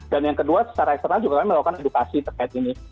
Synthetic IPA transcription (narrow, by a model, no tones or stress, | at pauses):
danjaŋkəduasə̥t͡ʃaɾaɛkst̪əɾnald͡ʒuɡakaiməlakukanedukasit̪ərkajat̪ini